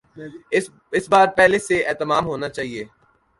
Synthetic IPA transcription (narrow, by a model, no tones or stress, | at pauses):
ɪsbaːɾpɛɦleseɛːt̪əmaːmɦoːnat͡ʃaːɦieː